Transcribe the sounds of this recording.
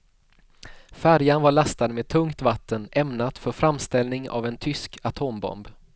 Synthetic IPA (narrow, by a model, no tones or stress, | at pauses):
fæɾjanvaɭast̪ad̪meːd̪̚t̪ʰɵŋkt̪vat̪ʰːənʔɛmnat̪fœɾfɾamst̪ɛlnɪŋa̰vɛnt̪ʰʏskʰat̪ʰoːmbɔ̰mb